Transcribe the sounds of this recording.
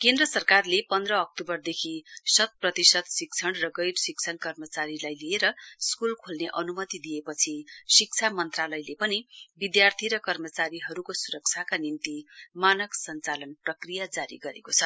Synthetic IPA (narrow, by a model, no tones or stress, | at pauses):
kend̪rʌsʌrkarlepʌnd̪rʌːk̚t̪obʌrd̪ekʰisʌt̪̚prʌt̪isʌt̪sik̚t͡sʰʌɳrʌɡʌjɾsik̚t͡sʰʌnkʌrmʌt͡saɾilajlieɾʌskulkʰolneʔʌnumʌt̪id̪iepʌt͡sʰisik̚t͡sʰamʌnt̪ralʌjlepʌnibid̪jart̪ʰiɾʌkʌrmʌt͡saɾiɦʌɾukosuɾʌk̚t͡sʰakanint̪imanʌksʌnt͡salʌnprʌkrijad͡zaɾḭɡʌɾḛkot͡sʰʌ